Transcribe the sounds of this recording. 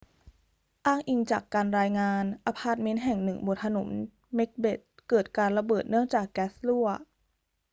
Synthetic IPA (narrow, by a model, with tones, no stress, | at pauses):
ʔaː˥˩ŋʔi˧ŋt͡ɕaː˨˩kːaː˧nɾaː˧jŋaː˧nʔa˧pʰaː˥˩t̪̚me˦˥nɦɛ˨˩ŋnɯ˨˩ŋbo˨˩t̪ʰːa˧nṵ˩˦m | me˦˥k̚be˨˩t̪̚kɤː˨˩t̪̚kaː˧nɾa˧bɤː˨˩t̪̚nɯ˥˩əŋt͡ɕaː˨˩kːɛː˦˥slu˥˩ɐ